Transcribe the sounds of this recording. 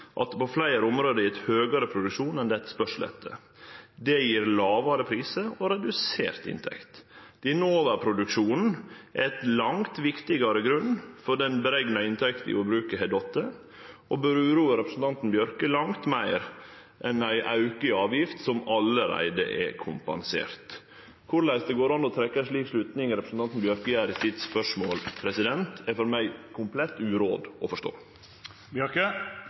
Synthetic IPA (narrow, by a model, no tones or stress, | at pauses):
ʔɑt̪pɔflæɪɾəʊmɾoːd̪əɪɛt̪høːɡɑɾəpʰɾʊd̪ʉkʂuːnɛnd̪ɛt̪spœʂl̩ɛ̰t̪ʰːə̰ | d̪ɛjiːɾlɑːʋɑɾəpʰɾiːsəɔɾɛd̪ʉsḛːɾt̪ɪ̰nt̪ʰɛ̰kt̪d̪̥ɪnoːʋəpʰɾʊd̪ʉkʂuːnn̩ʔɛt̪lɑŋt̪ʋɪkt̪ɪɡɑɾəɡɾʉnːfɔɖɛnbəɾɛɡnɑɪnt̪ʰɛkt̪n̩ɪ̰ɔbɾʉːkəɦɛd̪ɔt̪ːə | ɔbøɾʉːɾuːəɾɛpɾəsn̩t̪ʰɑnt̪n̩bjœɾkəlɑŋt̪mæɪɾ | ʔɛnæɪʔɑʉkəɑːʋjɪft̪sɔmɑlːəɾæ̰ɪd̪ə̰ʔɛ̰kʰʊmpɑ̰nsḛːɾt̪ | kʰʊɾlæɪsd̪ɛɡoːɾɑnːɔt̪ʰɾɛkːəʂɭiːkʂlʉːt̪nɪŋɾɛpɾəsn̩t̪ɑnt̪n̩bjœɾkəjæːɾɪt̪ʰid̪spœʂmoːlpʰɾɛsɪd̪ɛnt̪ɛfɔɾmæɪkʰʊmpʰlɛt̪ːʉːɾo̰ːd̪ɔfɔʂt̪o̰ː | bjœkə